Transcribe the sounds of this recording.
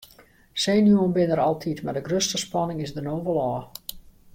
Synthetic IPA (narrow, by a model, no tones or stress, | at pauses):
seːnjuənbɪnəɾɑlˠtʰitmardəɡrøstəspɑnɪŋɪzdənoːvəlˠɔː